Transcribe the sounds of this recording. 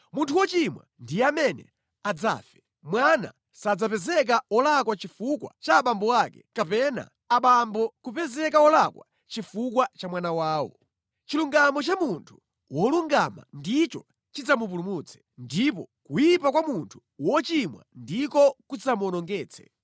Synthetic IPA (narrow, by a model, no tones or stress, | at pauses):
muntʰuwɔt͡ʃimwa̰ndijɛamɛnɛ̰ | ad͡za̰ːfɛ̥ | mwana̰ | sad͡zapɛzɛk̬aɔlak̬wat͡ʃifukwa̰t͡ʃaːɓambɔakɛkapɛna̰ːɓambɔkupɛzɛkaɔlakwa | t͡ʃifuk̬wat͡ʃamwanawaːwɔ̰ | t͡ʃiluŋɡamɔt͡ʃamuntʰu̥ | wɔluŋɡama̰ndit͡ʃɔ | t͡ʃid͡zamup̬ulumuːt͡sʰɛ̥ | ndipɔkujipakwamuntʰu̥ | wɔt͡ʃimwa̰ndikɔkusamuɔnɔŋɡɛːt͡sʰɛ̥